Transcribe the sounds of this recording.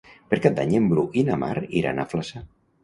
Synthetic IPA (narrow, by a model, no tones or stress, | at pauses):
peɾkat̪d̪aɲembɾuʔinama̰ɾiɾa̰na̰flasa